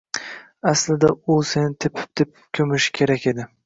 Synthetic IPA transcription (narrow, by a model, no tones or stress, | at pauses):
aslɪd̪aʊse̞nɪt̪ʰɪpʰɪ̥p̚d̪̥ɪp̚kʲʰɵmɪʃkʲʰe̞ɾakʲe̞d̪ɪ